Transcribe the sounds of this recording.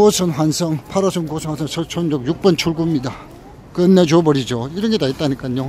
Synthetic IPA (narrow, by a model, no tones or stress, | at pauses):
osʰɯnɸwansʰʌŋpʰaɾʌsʰɯnkosʰɯnŋwansʰʌŋsʰʌt͡ɕʰond͡ʑʌk̚juk̚p͈ʌnt͡ɕʰuɭɡumɲida | kɯnːed͡ʑobʌɾid͡ʑoiɾʌnɡetait͈̚aɲik͈ano